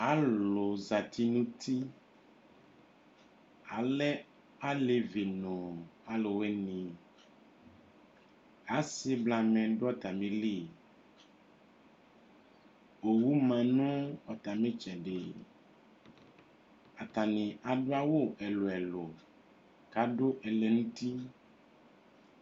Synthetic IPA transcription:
a˨˦lo˨za˨t̪ʰi˦nũ˦t̪i˦ | a˨lɛ˦ | a˦le˨vi˨nõ˨a˨lo˨we˦nĩ˨ | a˨˦se˦bla˨mɛ̃˨ɖo˦ɔ˦t̪a˨mẽ˨li˦˨ | o˨wu˦mã˨nũ˦ɔ˨t̪a˨mẽ˦t͡ʃɛ˨ɖe˨ | a˨t̪a˨nĩ˨ʔa˨ɖo˦a˦wo˦ʔɛ˨lo˨ɛ˨lo˨ | ka˦ɖo˦ʔɛ˨lɛ˨ŋũ˦t̪i˦

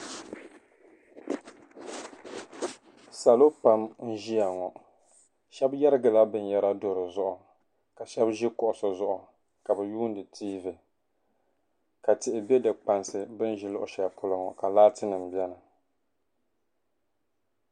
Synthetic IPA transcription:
sa˨lo˦pa˦mn̩˦ʒi˦a˨ŋɔ˨ | ʃɛ˦bjɛ˦ɾɨ˦ɡa˨la˦bɨ˦n˦jɛ˦ɾa˦do˨ɾɨ˨zʊ˦ʔʊ˨ | ka˨ʃɛ˦bʒi˦kʊ˨ʔʊ˨sɔ˨zʊ˦ʔʊ˨ | ka˨bɛ˨juː˦n˦dɨ˨tʰiː˦vɨ˨ | ka˨tɪ˨ʔɪ˨bɛ˦dɨ˨k͡pa˨nsɨ˨bɨ˦n˦ʒi˦lʊ˦˨ʔʊ̰˦˨ʃɛ˨pʰʊ˦la˨ŋɔ˨ka˨laː˦tɨ˦nɨ˨m˨bjɛ˦na˨

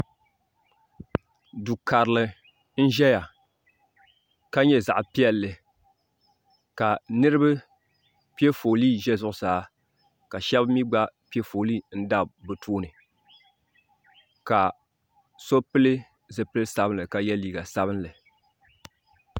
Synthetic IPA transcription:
du˨ka˨ɾɨ˨lɨ˨ | n̩˦ʒɛ˦ja˨ | ka˦ɲɛ˦za̰˨ʔpi˦ɛ˦lːɨ˨ | ka˨nɨ˦ɾɨ˦bɨ˦ | pi˦ɛ˦fo˨liː˦˨ʒɛ˦zʊ˨ʔʊ˨saː˨˦ | ka˨ʃɛ˦bmi˦ɡ͡ba˦pi˦ɛ˦fo˨liː˦˨n̩˦da˦bɨ˨tʰoː˦nɨ˨ | ka˨ | so˦pɨ˦lɨ˦ | zɨ˨pɨ˦lɨ˦sa˦bɨ˦nlɨ˨ka˨jɛ˦liː˨ɡa˨sa˦bɨ˦nlɨ˨

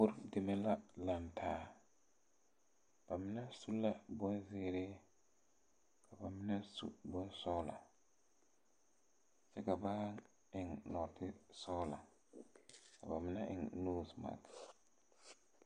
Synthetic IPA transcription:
bʊ˦ɾdɪ˨mɛ˦la˦la˨ntʰaː˨˦˨ | b̥a˨mɪ˦na˦su˦la˦bɔ˦zɪ˦ɾɪ˦ | ka˨ba˨mɪ˦na˦sṵ˨bɔ˦sɔ˦la̰˨ | t͡ʃɛ˦ka˨ba˦ | ɪ˨ŋnɔ˨tɪ˦sɔː˦la̰˨ | ka˨ba˨mɪ˦na˦ʔɪ̰˨ŋnuː˦sma̰˨k

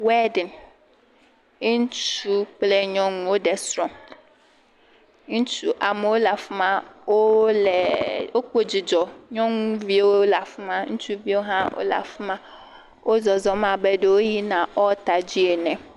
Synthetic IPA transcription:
wɛ˦dɪ̃˨n˦ | n̩˦t͡ʃu˦k͡plɛ˨ɲɔ̃˦ñ˨o˦dɛ˨sɾɔ̃˨m˦ | n̩˦t͡ʃʰu˨ʔa˨mʊ˨o˦la˨fʊ˦mã˦o˦lɛ˨o˦ko˨d͡ʑɪ˨d͡ʑɔ˨ɲɔ̃˦nũ˦vi˨o˦la˨fʊ˦mã˦n̩˦t͡ʃʰu˨vi˦o˦ɦã˦o̰˦la̰˨fʊ˦mã˦ | o˦zɔ˨zɔ˨mã˨bɛ˨do˨o˦ji˦nã˨ʔɔ˦ta˨d͡ʑi˦ɛ˨nɛ̃˨

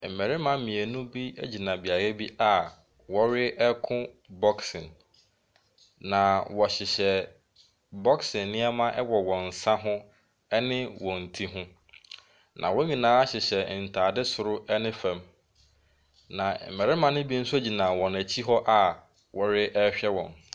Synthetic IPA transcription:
m̩˨mɛ˨ɾɪ˦mã˦mĩ˨e˨nʊ̃˦bi˦æ̰˦d͡ʑi˨nã˨bi˨a˨ɾɛ˦bi˦ʔa˦˨ | wɔ˦ɾɪ˦ɛ˦kʰʊ̃˦ | bɔ˦ksɪ̃˨n | nã˨wɔ˨ɕɪ˨ɕɛ˨ | bɔ˦ksɪ̃˨nːɪ̃˦ɛ˦mã˦ʔɛ˦wɔ˨wɔ̃˨n̩˨sã˦ɦʊ̃˦ | ɛ˦nɪ̃˦wɔ̃˨n̩˨tʰi˦ɦʊ̃˦ | nʔã̰˨wɔ̃˦ɲĩ˨nãː˨˦a˦ɕɪ˨ɕɛ˨n̩˨tʰaː˨dɪ˦sʊ˨ɾʊ˦ɛ˦nɪ̃˦fæ̃˨m | nã˨m̩˨mɛ˨ɾɪ˦mã˨nʊ̃˦bi˦n̩˦sʊ˦æ˦d͡ʑi˨nã˨wɔ̃˨næ˨t͡ɕʰi˦ɦɔ˦ʔa˦˨ | wɔ˨ɾɪ˦ʔɛ˦ɕᶣɛ˦wɔ̰̃˨n

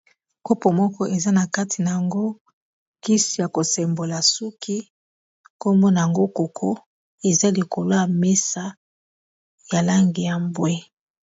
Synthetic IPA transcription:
ko˦po˨mɔ˦kɔ˦ʔe˨za˦na˨ka˦tʰi˨na˨ja˨ŋɡo˦ | ki˦si˨ja˨ko˨sɛ˨mbo˨la˨su˦kʰi˦ | ko˦mbo˦na˨a˨ŋɡo˦ko˨kʰɔ˦ | e˨za˦li˨ko˨lo˦ja˨me˦sa˦ | ja˨la˦ŋɡi˨ja˨mbwɛ˦

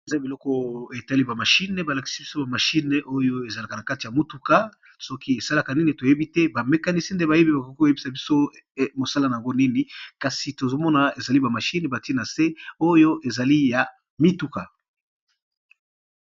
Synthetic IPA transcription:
e˨za˦bi˨lɔ˦kɔ˦e˨ta˦li˦ba˨ma˨ʃi˦ne˨ba˨la˨ki̥˨˦si˦bi˦so˦ba˨ma˨ʃi˦n˨ʔo˦jo˦e˨za˨la˨ka˨na˨ka˦ti˨ja˨mo˦tu˦ka˦ | sɔ˦kʰi˦e˨sa˦la˦˨ka˨ni˦ni˨to˨je˦bi˦tɛ˦ba˨me˦ka˦ni˦si˦nde˦ba˨je˦bi˦ba˨ko˨ko˦o˨je˦bi˦sa˨bi˦so˦mo˨sa˦la˦na˨ja˨ŋɡo˦ni˦ni˦ka˨si˨to˨zo˦mɔ˦na˨e˨za˨li˦ba˨ma˨ʃi˦ne˨ba˨ti˦na˨se˦o˦jo˦ʔe˨za˨li˦ja˨ | mi˦tu˨ka˨

